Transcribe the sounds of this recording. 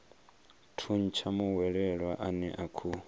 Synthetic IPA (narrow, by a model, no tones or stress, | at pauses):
tʰun̩t͡ʃʰamuwɛɺɛɺwaʔanɛʔakʰu